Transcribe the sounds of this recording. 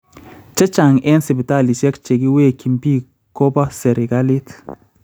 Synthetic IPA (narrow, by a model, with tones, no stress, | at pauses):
t͡ʃɐ˦t͡ʃa˨ŋɛ˦nsi˨bi˨ta˦˨li˨sɛ˦kt͡ʃe˨ɡi˦we˦˨ki˨mpi˦ | ko˦ba˦se˨ɾe˨ɡa˦li˦t